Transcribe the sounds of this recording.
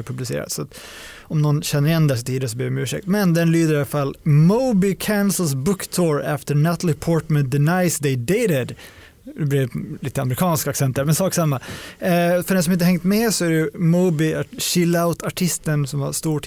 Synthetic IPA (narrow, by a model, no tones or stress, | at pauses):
ɾpʰɵblɪsḛːɾa̰t̪sat̪ | ɔmnɔnɕɛnːəɾɪjɛnːd̪æsɔt̪ʰiːd̪ənsɔb̪iɾɛmʉːʂɛ̰k̚t̪mɛnd̪ɛnlyːd̪əɾalafalːmubɪkʰænsəl̩s̬bʊkːt̪ʰoːɾɛft̪ənæt̪lɪpʰɔːʈmɛn̚d̪ɛnaɪsd̪ɛɪd̪eɪɾɪd̪ | ɛblɪliːt̪əaməɾɪkʰɑːnskaksɛnt̪̚d̪æɾmɛnsɑːksamːa | fœɖɛns̬ɔmɪt̪əhɛŋt̪mɛsɔæɾɛjɵmuːbɪaɕɪlːaʊt̪ʰaʈʰɪst̪ənsɔmha̰st̪uːʈ